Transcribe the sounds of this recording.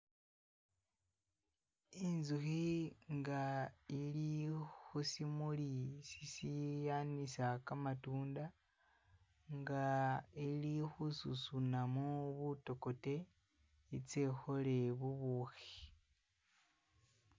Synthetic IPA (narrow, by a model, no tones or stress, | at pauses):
inzuxiŋɡailixusimulisisijanisakamatuːnda | ŋɡailixususunamuβuto̞ko̞te | it͡sexo̞le̞βuβuxi̥